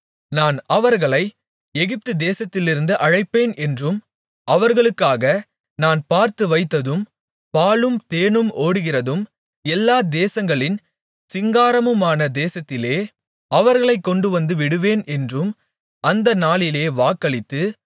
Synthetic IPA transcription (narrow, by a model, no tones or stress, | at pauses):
naːnɐʋɐɾɣɐɭɐɪ | ɛɣɪp̚t̪ɯd̪eːsɐt̪ːɪlɪɾɯnd̪ɯʔɐɻɐɪpːeːnɛndrɯm | ʔɐʋɐɾɣɐɭɯkːaːɣɐ | naːnpaːɾt̪ɯʋɐɪt̪ːɐðɯm | paːlɯmt̪eːnɯmʔoːɽɯɣɪrɐðɯm | ɛlːaːd̪eːsɐŋɡɐɭɪn | sɪŋɡaːɾɐmɯmaːnɐd̪eːsɐt̪ːɪleː | ɐʋɐɾɣɐɭɐɪkːɔɳɖɯʋɐnd̪ɯʋɪɽɯʋeːnɛndrɯm | ʔɐnd̪ɐnaːlɪleːʋaːkːɐɭɪt̪ːɯ